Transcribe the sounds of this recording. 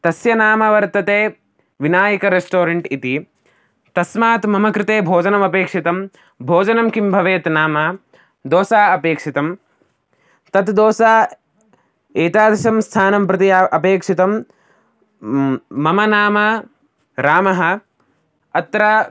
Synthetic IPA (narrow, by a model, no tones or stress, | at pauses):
t̪ɐsjɐnaːmɐʋɐɾt̪ɐt̪eː | ʋinaːjɐkɐɾesʈoːɾɐɳʈit̪i | t̪ɐsmaːt̪mɐmɐkɾɪt̪eːbʱoːd͡ʒɐnɐmɐpeːkʂit̪ɐm | bʱoːd͡ʒɐnɐmkimbʱɐʋeːt̪naːma | d̪oːsaːɐpeːkʂit̪ɐm | t̪ɐt̪d̪oːsaː | eːt̪aːd̪ɐʃɐmst̪ʰaːnɐmpɾɐt̪ijaʔɐpeːkʂit̪ɐm | ɐmɐnaːmɐ | ɾaːmɐɦɐ̆ | ɐt̪ɾɐ